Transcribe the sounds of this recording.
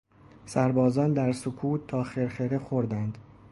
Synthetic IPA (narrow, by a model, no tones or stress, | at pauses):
sæɾbɒːzɒːnd̪æɾsokʰuːt̪ʰːɒːxeɾχeɾexoɾd̪ænd̪